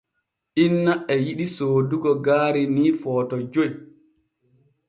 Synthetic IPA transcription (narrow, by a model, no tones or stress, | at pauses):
ʔinːaʔɛjiɗisoːduɡɔɡaːɾiniːfɔːtɔd͡ʒoj